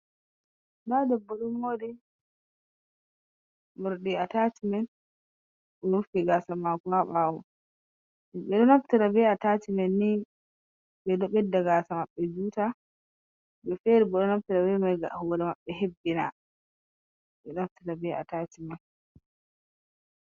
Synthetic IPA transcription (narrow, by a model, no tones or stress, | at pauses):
dadɛbːɔɗumodi | mɔɾɗiatatimɛn | ɔɾufiɡaːsamakaɓaːwɔ | ɓɛɗɔnaftiɾabɛatatimɛnːi | bɛdɔɓɛdːaɡaːsamaɓːɛd͡ʒuːta | bɛfeɾibɔɗɔnaftiɾabɛmajɡahɔɾɛmaɓːɛɦebːina̰ | ɓɛnaftiɾabɛa̰taːtimɛn